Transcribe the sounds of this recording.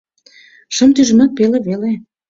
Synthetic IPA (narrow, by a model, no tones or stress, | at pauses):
ʃə̆mt̪yʒəmə̆k̪̚peleβele